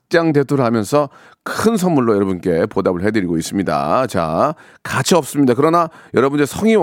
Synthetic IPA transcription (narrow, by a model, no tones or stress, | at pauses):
t͡ɕ͈aŋte̞tʰoɾɯɭhamjʌnsʰʌ | kʰɯns̬ʰʌnmuɭːojʌɾʌbunk͈e̞podabɯɭɦe̞dɯɾiɡois͈ɯmɲida̰t͡ɕa̰ | kat͡ɕʰiʌp̚s͈ɯmɲidakɯɾʌnajʌɾʌbɯndesʰʌŋi